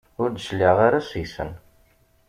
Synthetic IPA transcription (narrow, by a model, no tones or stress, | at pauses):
ʊɾd̪ʃlːiʁaɾasjsə̰n